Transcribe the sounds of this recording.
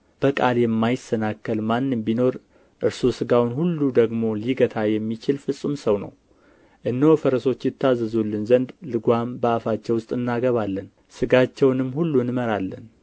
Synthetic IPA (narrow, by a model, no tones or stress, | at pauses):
b̥əkʼaljɛmːajɪsənakːəlmanːɨmbino̞ɾ | ʔɨɾsosɨɡawnhulːud̪əɡmo̞liɡət̪ʰajɛmːit͡ʃɪlfɨsʼːɨmsəwnə̰w | ʔɨnːowfəɾəso̞t͡ʃːjɪt̪ːazːəzulːɨnzənd̪lɨɡʷambəafat͡ʃːɛwʊst̪ʼɨnːaɡəβalːən | sɨɡat͡ʃːɛwnɨmːhulːunməɾalːə̰n